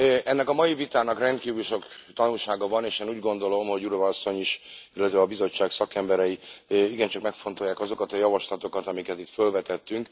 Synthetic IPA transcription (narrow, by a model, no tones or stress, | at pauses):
ɛnːɛkɒmɒjivit̪aːnɒkrɛnt̪kiːvylʃo̞kt̪ɒnulʃaːɡɒvɒneːʃeːnuːɟɡo̞nd̪o̞lo̞mɦo̞ɟuɾovɒɒsːo̞ɲiʃilːɛt̪ʋɛɒbizo̞t͡ʃːaːksɒkɛmbɛɾɛjiiɡɛnt͡ʃɒkmɛkfo̞nt̪o̞jaːkɒzo̞kɒt̪ɒjɒvɒʃlɒt̪o̞kɒt̪ɒmikɛt̪it̪følvɛt̪ɛt̪ːyŋk